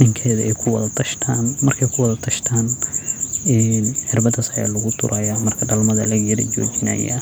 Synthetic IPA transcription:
ɪŋkʰɛːðɐʔɛjkʰʊwɐðɐt̪ʰɐʃt̪ʰaːnmɐrkʰɛjkʰʊwɑðɐt̪ʰɐʃt̪ʰaːn | ɛnħɪrbɐd̪ɐsɐja̰ːlɐɣʊt̪ʰʊ̰ɾɐjaːmɐrkʰɐɖɐlmɐðɐ̰lɐɣjɐɾɐ̰t͡ʃɔ̰ːt͡ʃɪna̰ja̰

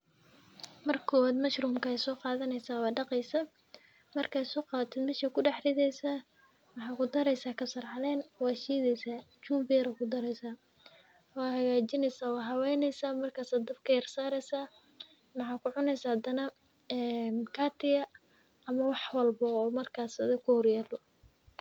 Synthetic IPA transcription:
mɐrkʰɔːwaːd̪mɐʃrʊːmkʰɐsɔːqɑːðɐnɛjsaːwɑːɖɑqɛjsa | mɐrkʰaːsɔːqɑːt̪ʰɛːd̪mɛʃɐkʰʊɖɑħrɪðɛjsaː | mɑħɑːkʊd̪ɐɾɛjsaːkʰɐsɐrʕɑlɛːnwɑːʃiːðɛjsaː | t͡ʃuːmbɪɾɐkʰʊd̪ɐɾɛjsaː | wɑːɦɐɣaːt͡ʃɪnɛjsaːwɑːɦɐwɛːnɛjsaːmɐrkʰaːsaːd̪ɐbkʰɐjɐrsaːɾɛjsaː | mɑħɑːkʰʊʕʊnɛjsahɐd̪ɐnɐ | ɛːnkʰaːt̪ʰɪjɐ | ɐmɐwɑħwɐlbɐɔːmɐrkʰaːsɐðɛkʰʊhɔrjaːlɔ

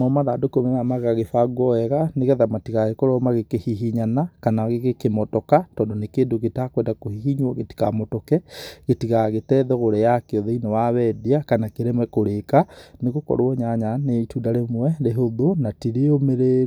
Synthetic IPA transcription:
mamaðaːdokeomenamaɣaɣefaɡwɔɛɣaneɣɛðamatiɣaɣekɔɾɔmaɣekehiɦiɲanakanaɣeɣekemɔtɔkatɔːndɔnekeːndoɣetakwɛndakohiɦiɲwɔɣeti̥kamɔtɔkɛɣetiɣaɣetɛːðɔɣoɾɛjakeɔðɛinɔwawɛdiakanakeɾemwɛkoɾekaneɣokɔ̰ɾwɔɲaɲanetuːdaɾemwɛɾeɦoðonatiɾeomeɾeːɾ

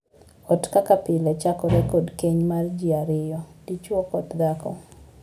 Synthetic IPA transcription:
ɔtkakapɪlɛt͡ʃakɔɾɛkodkeɲmard͡ʒiaɾɪjɔd̥it͡ʃwɔkɔtd̪akɔ̰

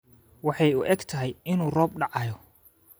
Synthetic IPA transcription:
wɑħɑjʊʔɛɡt̪ʰɐɦɛjɪnuːrɔːb̚ɖɑʕɑjɔ

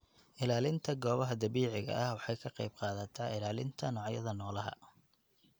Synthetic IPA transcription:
ʔɪlaːlɪnt̪ʰɐɡɔːβɐɦɐd̪ɐβiːʕɪɣɐ̰ʔɐhwɑħɑjkʰɐqɑjb̚qɑːðɐt̪ʰaːɪlaːlɪnt̪ʰɐnɔːʕjɐ̰ðɐnɔːlɐɦɐ̰

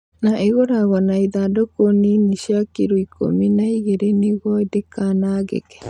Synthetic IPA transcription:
naʔeɣoɾaɣɔnaiðadokoniniʃjakiɾoikʰo̰minaiɣeɾeniɣɔedekanaːɣḛkɛ̥

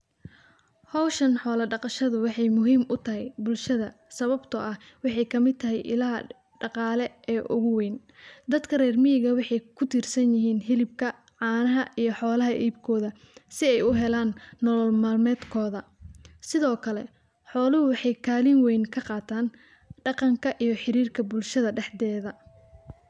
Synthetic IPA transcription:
hɔwʃɐnħɔːlɐɖɑqɑʃɐðʊwɑħɑjmʊɦiːmʔʊt̪ʰɐɦɛjbʊlʃɐðɐ | sɐβɐbt̪ʰɐʔɐh | wɑħɑjkʰɐmɪd̪t̪ʰɐɦɛjʔɪ̰laː | ɖɑqɑːlɛ | ɛːʔʊ̰ɣʊwɛːn | d̪ɐd̪kʰɐrɛːrmɪjɪɣɐwɑħɑjkʰʊt̪ʰiːrsɐnjɪɦiːnɦɪlɪb̚kʰɐ | ʕɑːnɐɦɐʔijɞħɔːlɐɦɐʔiːb̚kʰɔːðɐ | sɪɛjʊɦɛlaːnːɔlɔlmaːlmɛːd̪kʰɔːðɐ | sɪðɔːkʰɐlɛ̰ | ħɔːlɐhʊwɑħɑjkʰaːlɪnwɛjnkʰɐqɑːt̪ʰaːn | ɖɑqɑŋkʰɐʔijɞħɪɾiːrkʰɐbʊlʃɐðɐɖɛħd̪ɛːðɐ

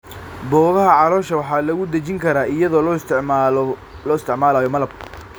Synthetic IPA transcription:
bɔːɣɐɦɐʕɑlɔːʃɐwɑħɑːlɐɣʊd̪ɐt͡ʃɪŋkʰɐɾaːɪjɐðɔːl | lɔːɪst̪ʰɪʕmaːlaːjɔmɐlɐb̚

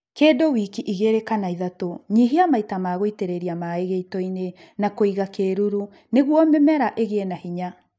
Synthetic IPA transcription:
keːdowiːkiʔiɣeɾekanaiðatoɲiɦiamaitamaːɣoiteɾeɾiamaeɣeitɔine | nakoiɣakeɾuɾu | neɣwɔmemɛɾaʔeɣeenahiɲa

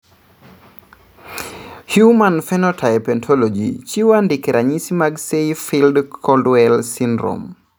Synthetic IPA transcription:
hjumanfɛnɔtʰajpɛntʰɔlod͡ʒḭt͡ʃiwandikɛɾʔaɲisimaɡseifildkʰɔldwɛlsindɾo̰m

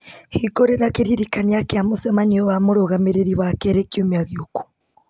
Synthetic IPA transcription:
hikoɾeɾakeɾiɾikaniakeamusemaɲiowamoɾoɣameɾeɾiβakeɾekiomiaɣioku̥

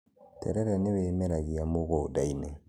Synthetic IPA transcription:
tʰɛ̰ɾɛɾɛnewemɛɾaɣiamoɣɔodainɛ

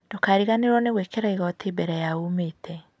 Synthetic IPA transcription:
d̥okaːɾiɣaneɾwɔneɣwekeɾaiɣɔtʰibɛɾɛjaumeːtʰɛ

